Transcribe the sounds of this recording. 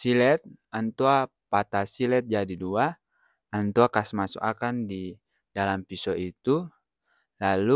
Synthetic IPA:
silɛt̪̚ant̪ua | pat̪asilɛt̪̚d͡ʒadidua | ant̪uakasmasṵkakandi | dalampisɔit̪u | lalu

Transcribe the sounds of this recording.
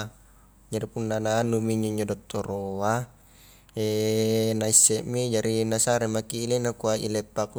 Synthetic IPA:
d͡ʒaɾipunːananumiɲd͡ʒoiɲd͡ʒodot̪ːoɾoa | enaisːɛʔmid͡ʒaɾinasaɾemakiːlenakuaḭlepːak

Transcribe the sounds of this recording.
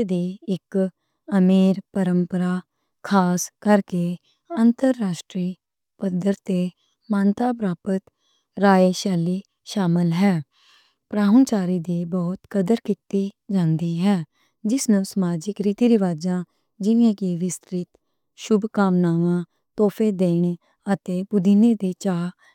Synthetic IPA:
d̪iːɪk | əmiːɾpəɾəmpəɾaː | kʰaːskəɾkeː | ənt̪əɾːaːʃʈɾiː | pəd̪əɾt̪eː | maːnt̪aːpɾaːpət̪ | ɾaːeːʃaːliː | ʃaːmɪlɦɛː | pɾaːʋənt͡ʃaːɾiːd̪iːbɔːt̪kəd̪əɾkit̪iːd͡ʒãːnd̪iːɦɛː | d͡ʒɪsnũːsəmaːd͡ʒɪkɾiːt̪iːɾɪʋaːd͡ʒãː | d͡ʒɪʋẽːkiːʋɪst̪ɾɪt̪ | ʃʊbkaːmnaːʋãː | t̪ɔːpʰeːd̪eːɳ | ət̪eːbʊd̪ʱineːd̪iːt͡ʃaː

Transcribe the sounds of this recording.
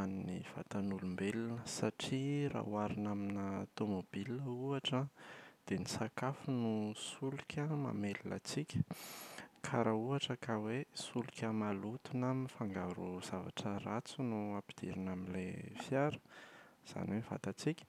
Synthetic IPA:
aniniv̥a̰t̪anulumbelinəsaʈ͡ʂira̰uaɾinaminaat̪omob̥iləuaʈ͡ʂad̪̥enisakafunusulukʰʲəma̰melinə̰t͡sikʲə̥ | kʰaɾauaʈ͡ʂəkawesulukʲəmalut̪unamifaŋɡaɾuz̥ava̰ʈ͡ʂərat͡sunuapid̪̥iɾinaminlefjaɾə̥z̥a̰nweniva̰t̪at͡sikʲə̥

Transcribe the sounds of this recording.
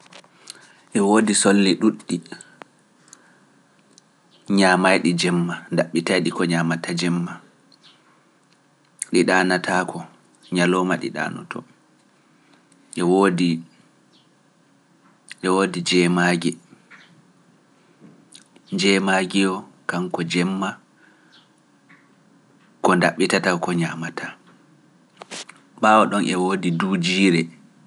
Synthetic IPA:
ʔɛwoːdisolːiɗuɗːi | ɲamajɗid͡ʒɛmːandaɓːitajɗikɔɲaːmatʰad͡ʒɛmːa | ɗiɗaːnatʰakʰɔ | ɲalɔmaɗḭɗa̰ːnɔ̰tʰɔ̰ | ʔɛwodi | ɗɛwoːdid͡ʒɛːmaːɡɛ | d͡ʒɛmaɡijɔkaŋkɔd͡ʒɛmːa | kɔndaɓːitatakɔɲamatʰa | ɓaːwɔɗɔnʔɛwoːdiduːd͡ʒiːɾɛ

